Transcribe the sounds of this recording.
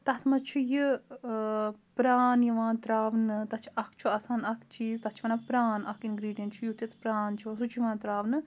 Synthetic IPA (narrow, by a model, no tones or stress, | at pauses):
t̪ɐt̪ʰmɐt͡ʃʰuji | pɾaːnjiʋaːnt̪ɾaːʋnɨt̪ɐt͡ʃʰɐkʰt͡ʃʰuɐsaːnɐkʰt͡ʃiːzt̪ɐt͡ʃʰʋɐnɐkpɾaːnɐkʰinɡɾiːɖijɐnt͡ʃʰujut̪ɐt̪ʰpɾaːnt͡ʃʰiʋɐsut͡ʃʰjiʋãːnt̪ɾaːʋnɨ